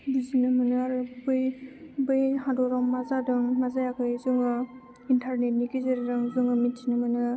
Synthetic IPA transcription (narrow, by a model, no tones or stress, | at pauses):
buzinɯmanɯaɾɯbɯjbɯjhadɔɾɔŋmazadɯŋmazajakʰɯjzuŋɯ | intʰaɾnet̚nikizeɾiɾɯŋzuŋɯmitʰːinɯmɯnɯ